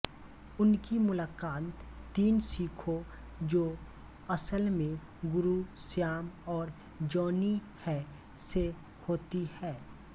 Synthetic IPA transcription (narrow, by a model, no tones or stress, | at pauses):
ʊnkimʊlaːkaːt̪t̪iːnsiːkʰo | d͡ʒoː | ɐsəlmẽ | ɡʊɾusjaːmɔːɾ | d͡ʒɔːnihɛ | se | hoːt̪ihɛː